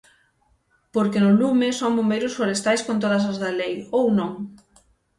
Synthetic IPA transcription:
poɾkɪnʊlumɪsoŋbombejɾʊsfoɾest̪ajskõnt̪̬oð̞ɐs̬ɐzðɐlejownõŋ

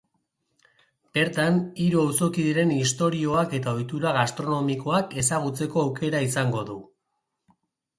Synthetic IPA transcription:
b̥e̞ɾt̪aniɾuawso̞kiðiɾe̞nist̪o̞ɾio̞ake̞t̪ao̞jt̪uɾaɣast̪ɾo̞no̞miko̞ake̞saɣ̞ut͡se̞ko̞awkʰe̞ɾaisaŋɡo̞ðu

